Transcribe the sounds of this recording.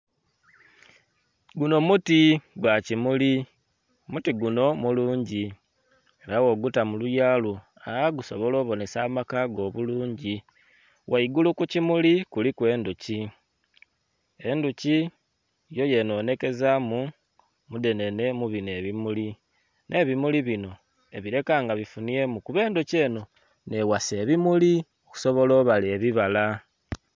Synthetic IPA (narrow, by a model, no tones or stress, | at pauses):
ɡuno̞mutiɡwacimuli | mutiɡuno̞muluːɲɟi | eɾawo̞ɡutamulujalu | aaɡuso̞βo̞lo̞ːβo̞ne̞saːmakaɡo̞ːβuluːɲɟi | wʔaiɡulukucimulikulikwe̞ːnduci | e̞nduci | jo̞je̞no̞ːne̞ke̞zamu | mude̞ne̞ne̞muβine̞βimuli | nʔe̞βimuliβino̞ | e̞βiɾe̞kaːŋɡaβifuniemukuβe̞ːnduce̞ːno̞ | ne̞wase̞ːβimuli | oku̥so̞βo̞loːβaleβiβala